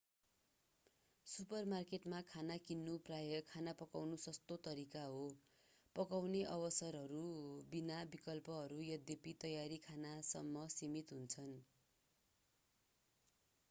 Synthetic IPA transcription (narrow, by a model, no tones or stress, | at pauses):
supʌrmarkeʈmakʰanakinːuprajʌkʰanapʌkawnusʌst̪ot̪ʌɾikaɦo | pʌkawneʔʌbʌsʌrɦʌɾubinabikʌlpʌɦʌɾujʌd̪ʱjepit̪ʌjaɾikʰanasʌ̰mːʌsimit̪ɦunt͡sʰʌn